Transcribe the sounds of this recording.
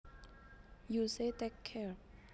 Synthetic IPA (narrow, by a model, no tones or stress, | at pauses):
jusetekʰːɛɹ